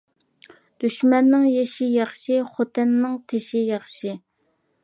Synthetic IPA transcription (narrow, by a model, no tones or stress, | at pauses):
d̪̥yʃmɛnːɪŋjeʃijɑχʃiχot̪ʰɪnːɪŋt̪ʰeʃijɑχʃi